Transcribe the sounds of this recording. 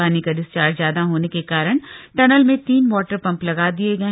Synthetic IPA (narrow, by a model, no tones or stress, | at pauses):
aːnikad̪ɪst͡ʃaːɾzjaːd̪aɦoːnekekaːɾəɽ̃ʈɐnəlmẽt̪iːnʋɔːʈəɾpɐ̃mplɐɡaːd̪ieɡɐẽ